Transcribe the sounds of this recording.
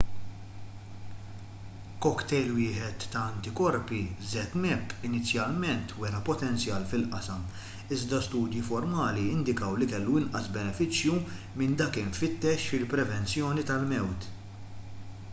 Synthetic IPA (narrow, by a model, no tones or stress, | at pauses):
kɔkt̪ɛjlwɪːħɛt̪ːɐɐnt̪ɪkɔɾpizɛt̪mɛpːɪnɪt͡sjɐlmɛnt̪ʰwɛɾɐpɔt̪ɛnt͡sjɐːlfɪlʔɐsɐm | ɪzd̪ɐst̪uːd̪jifɔɾmɐːliɪnd̪ɪkɐwlikɛlːuɪnʔɐsbɛnɛfɪt͡ʃju | mɪnd̪ɐːkɪɱfɪt̪ːɛʃfɪlpɾɛvɛnt͡sjɔːnit̪ɐlmɛwt̪